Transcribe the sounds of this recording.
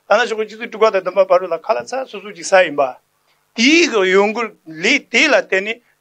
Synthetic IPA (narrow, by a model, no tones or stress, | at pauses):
t̪anaɕʰokət͡ɕʰit͡sʰoʈ͡ʂuk̚pat̪ɑd̪ənpaparolakʰalat͡sʰasʰosʰot͡ɕisajənpa | t̪ikəjoŋɡorlet̪elat̪enːe